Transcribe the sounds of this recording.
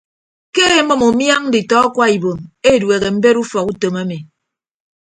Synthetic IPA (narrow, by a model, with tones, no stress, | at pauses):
ke˦e˦mɔ˨mo˨mja˦ŋ̩˦di˨tɔ˦kwa˦i˨bo˨me˦˨dwe˨ɣe˨m̩˦be˦ɾu˦fɔ˨ku˦to˨ma˦me˨